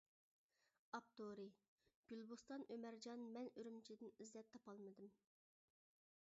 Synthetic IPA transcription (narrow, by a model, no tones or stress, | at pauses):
ɑp̚t̪ʰoɾɪ | ɡ̥ʲylˠbust̪ɑnʔømæɾd͡ʒɑnmɛnyɾymt͡ʃʰid̪ɪnizlɛp̚t̪ʰːɑpɑlˠmɨd̪ɨm